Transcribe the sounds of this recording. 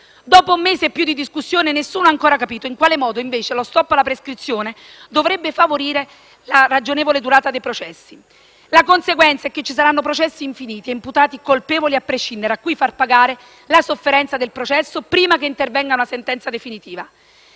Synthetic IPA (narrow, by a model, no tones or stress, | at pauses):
d̪ɔːpoumːeːseːpːjud̪id̪iskusːjoːnenesːuːnoaŋkoːɾakapiːt̪oiŋkwaːlemɔːd̪oiɱveːt͡ʃelost̪ɔpːalapɾeskɾit̪sːjoːne | d̪ovɾɛbːefavoɾiːɾe | larad͡ʒoneːvoled̪uɾaːt̪ad̪ejpɾot͡ʃɛsːi | lakonseɡwɛnt̪saɛkːet͡ʃːis̬aɾanːopɾot͡ʃɛsːiːɱfiniːt̪ieimput̪aːt̪ikolpeːvoliapːɾeʃːind̪eɾeakːujfarpaɡaːɾe | lasofːeɾɛnt̪sad̪elpɾot͡ʃɛsːopɾiːmakeint̪ervɛŋɡaunasent̪ɛnt̪sad̪efinit̪iːva